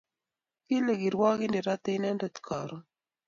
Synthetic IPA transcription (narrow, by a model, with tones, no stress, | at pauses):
ki˦le˨ɡi˨ɾwɔ˦ɡɪ˦ndi˨ɾa˦t̪ɪ˦nɛ˦ndɛ˨t̪kʰɔ˨ɾɔ˨